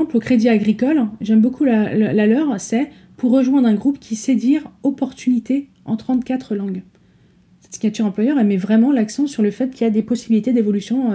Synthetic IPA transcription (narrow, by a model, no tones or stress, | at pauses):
ɑ̃plokχed̪iaɡʁikɔlʒɛmbokʰullalœʁsɛ | puʁːəʒwɛ̃d̪ʁɛ̃ɡʁupkʲised̪ɥiʁɔpɔʁt̪ynit̪e | ɑ̰̃t̪χɑ̃t̪kʲat̪χəlɑ̃ɡ | sɛt̪siɲat̪yʁɑ̃pwajœʁɛlmɛvʁɛmɑ̃laksɑ̃syʁləfɛt̪̚kʲiljad̪epɔsibilit̪ed̪evɔlysjɔ̃